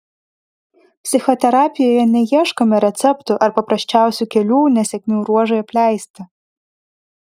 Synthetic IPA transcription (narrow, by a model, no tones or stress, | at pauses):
psʲixɔt̪ɛɾapʲijɐjɛnʲɛjɛʂkɐmɛɾɛt̪sɛpt̪uʔɐrpɐpɾɐɕt͡ʃawsʲɐkʲɛlʲunɐsʲɛkʲnʲiwɾuɔʒɐjɛplʲajst̪ɐ